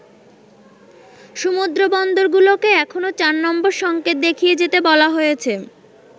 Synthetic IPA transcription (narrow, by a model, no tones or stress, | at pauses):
ʃumud̪ɾobɔnd̪oɾɡulokeɛkʰonot͡ɕaɾnɔmboɾʃɔŋket̪̚d̪ekʰijed͡ʑet̪ebɔlaɦojet͡ɕʰe